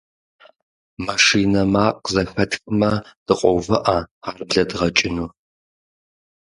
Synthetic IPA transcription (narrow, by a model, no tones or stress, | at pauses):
maʂiːnɐmaːqzɐnħʰɐtxʼɨmɐd̥ɨqʷʼɔwvɨʔaaːrbɮɐdʁɐt͡ʃʼɪnuː